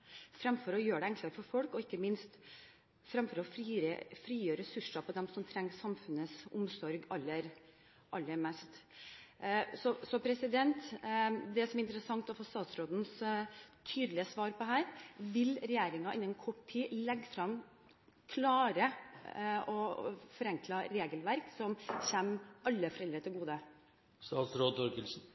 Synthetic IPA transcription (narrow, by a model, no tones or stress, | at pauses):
fɾɑmfɔɾɔjøːɖɛɛŋklɑɾfɔɾfɔlkɔɪkːəmɪnst̪ | fɾɑmfɔɾɔfɾiːɾə̰fɾiːjøːɾɛsʉʂɑpʰɔd̪ɛmsɔmt̪ʰɾɛŋːsɑmfʉnəsʊ̰msɔɾɡɑlːəɾ | ʔɑlːəɾmɛst̪ | sɔsɔpʰɾɛsɪd̪ɛnt̪d̪ɛsɔmɛɾɪnt̪əɾəsɑŋt̪ɔfoːst̪ɑːt̪sɾoːd̪n̩st̪ʰyːd̪lɪəsʋɑːɾpɔɦæːɾʋɪlɾɛjeːɾɪŋɑɪnɛnkʰɔʈʰiːlɛɡːfɾɑm | kʰlɑːɾə | ɔfɔɾɛŋkʰlɑɾeːɡəlʋæɾksɔmçɛmɑlːəfɔɾɛld̪ɾət̪ʰɪlɡuːd̪ə | st̪ɑːt̪sɾoːd̪̚t̪ʰɔɾkəlsn̩